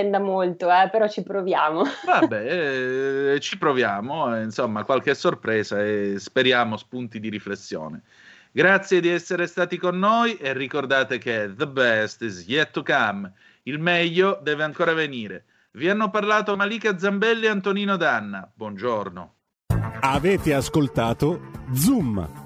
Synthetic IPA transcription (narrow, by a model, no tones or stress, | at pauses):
ɛnd̪amolt̪oɛpeɾɔt͡ʃipɾovjaːmovabːɛ | t͡ʃipɾovjaːmoinsomːakwalkesːorpɾɛːzaespeɾjaːmospunt̪id̪iɾiflesːjo̰ːne | ɡɾat̪sːjed̪iɛsːeɾest̪aːt̪ikonːojʔerːikord̪aːt̪ek̟eðəbɛst̪izjɛt̪ːukam | ilmɛʎːod̪ɛːveaŋkoːɾaveniːɾe | vianːoparlaːt̪oamaliːkad̪zːambɛlːiant̪oniːnod̪anːabwɔnd͡ʒorno̰ | avɛːt̪easkolt̪aːt̪od̪zum